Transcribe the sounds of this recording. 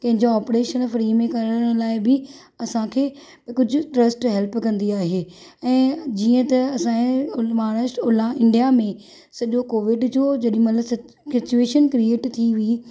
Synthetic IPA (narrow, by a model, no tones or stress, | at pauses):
kɐ̃ɦɪɲd͡ʑoaːpɾeːʃənfɾiːmẽkɐɾəɽ̃nlaːɪbɪ | ɐsãkʰeː | kʊd͡ʑʱʊ̆ʈɾɐsʈɦɛlpkɐ̃nd̪iaːɦeː | ɛ̃ːd͡ʑiːə̃t̪ɐɐsãʊmaːɽəsʈʊlãɪ̃ɳɖijamẽ | sɐʄokoːʋɪɖd͡ʑoːd͡ʑɐɗɪĩmɐt̪ləsɪ | sɪt͡ɕueːʃənkɾieːʈt̪ʰiʋi